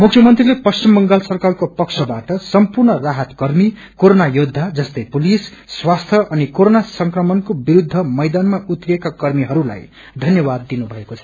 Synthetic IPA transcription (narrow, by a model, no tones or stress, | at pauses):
mukʰjʌmʌnt̪rilepʌst͡ɕimːʌŋɡalsʌrkalkopʌksʰʌbaʈʌsʌmpurnʌraɦʌt̪kʌrmi | koɾonajod̪ʱːad͡zʌst̪ʌjpulisː | wast̪ʰjʌʔʌnikoɾonasʌŋkrʌmʌnkobiɾud̪ʱːʌmʌjd̪anmaʔut̪rijekakʌrmiɦʌɾula̰j | d̪ʱʌnjʌbad̪ːinubʱʌekot͡sʰʌ̥